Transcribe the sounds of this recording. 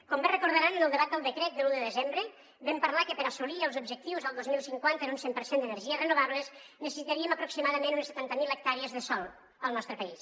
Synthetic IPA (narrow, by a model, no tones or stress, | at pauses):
kɔmberəkuɾðəɾanənəlˠd̪əβat̪̚d̪əlˠd̪əkɾɛt̪̚d̪əluðəðəzembɾə | bɛmpəɾlakəpəɾasuliəlˠzub̚ʒək̚t̪iwzəlˠd̪ozmilˠsiŋkwant̪ənunsempəɾsend̪ənəɾʒiərənuβaβləznəsəsit̪aɾiəməpɾuksimaðəmenunəsət̪ant̪əmilˠək̚t̪aɾiəzðəsɔlˠ | əlˠnɔst̪ɾəpəis